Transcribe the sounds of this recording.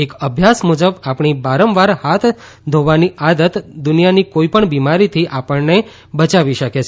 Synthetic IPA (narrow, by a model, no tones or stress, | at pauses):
ekəbʱjasmud͡ʒəbapɳ̃ibaɾəmʋaɾhat̪ʰ | d̪ʱoʋaniad̪ət̪d̪ʊnijanikoipəɳbimaɾit̪ʰiʔapəɳne | bət͡ʃaʋiʃəket͡ʃʰ